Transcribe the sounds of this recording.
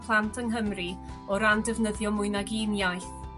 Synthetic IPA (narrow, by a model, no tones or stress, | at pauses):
pʰlˠantʰənɦəmri | ɔɾamdɛvnəðjɔmʊɨnaɡinjajθ